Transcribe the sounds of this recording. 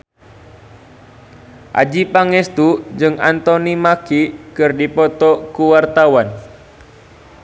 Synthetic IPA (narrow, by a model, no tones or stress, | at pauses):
ʔa̰d͡ʒipaŋɛst̪ud͡ʒɨŋa̰nt̪ɔnimakikɨrdipɔt̪ɔkuwart̪awan